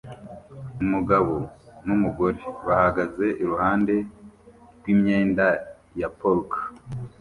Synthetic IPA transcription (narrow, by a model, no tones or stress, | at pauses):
umuɡaβo̞numuɡo̞ɾe̞βahaɡaze̞ʔiɾuhaːnde̞ | ɾɡwiːmɲeːnda | japolka